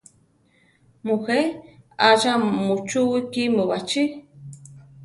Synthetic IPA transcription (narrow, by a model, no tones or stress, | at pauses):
muxeaʒamut͡ʃuwikimɨwat͡ʃi